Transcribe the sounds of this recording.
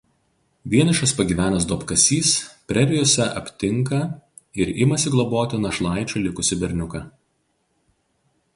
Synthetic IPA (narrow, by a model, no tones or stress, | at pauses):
ʋʲiɛnʲɐʃɐspɐɡʲiːʋʲæːnʲɐsd̪oːpkɐsʲiːspʲɾʲɛɾʲɪjoːsʲɛʔɐ̰pʲt̪ʲɪŋkɐ | ɪɾɪmɐsʲɪɡlˠɐboːt̪ʲɪnɐʃlˠɑˑɪt͡ʃʲulʲɪkʊsʲɪbʲɛɾʲnʲʊkɐ